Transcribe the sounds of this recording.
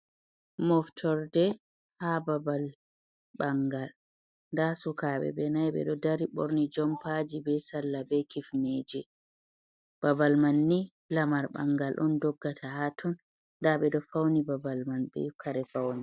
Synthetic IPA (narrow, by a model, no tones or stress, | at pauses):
mɔftʰɔɾdɛ | hababal | ɓaŋɡal | ndasukaɓɛ̰bɛnajɓɛ̰ɗɔdaɾiɓɔ̰ɾnid͡ʒɔmpad͡ʒibɛsalːabɛkifmeːd͡ʒɛ | b̥abalmanːi | lamaɾba̰ŋɡalʔɔndɔɡːatʰahatʰɔn | ndaɓɛɗɔfawnibabalmanbɛ̰ukʰaɾɛfawni